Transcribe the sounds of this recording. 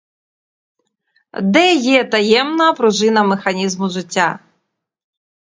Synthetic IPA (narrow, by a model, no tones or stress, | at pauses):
d̪ɛjɛt̪ɐjɛmnɐpɾʊʒɪnɐmexɐnʲizmʊʐɪtʲːa̰